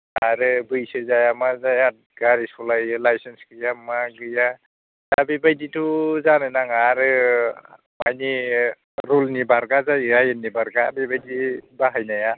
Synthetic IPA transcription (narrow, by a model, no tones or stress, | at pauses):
aɾɯbɯjsɯzajamazajat̚ɡaɾisulajɯlajsensɡɯjamaɡɯja | zabibajdituzanɯjnaŋaɾɯ | majni | ɾulnibaɾɡazajajɯnːibaɾɡa̰ːbibajdibaɦajnaja